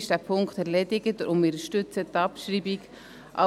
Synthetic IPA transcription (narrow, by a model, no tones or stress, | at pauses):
ʃd̥æpʰʊŋkt̪ɛɾlɛdɪɡətʔʊmɪɾəʃtʏt͡sət̪ːɑpʃɾiːbik | ʔa̰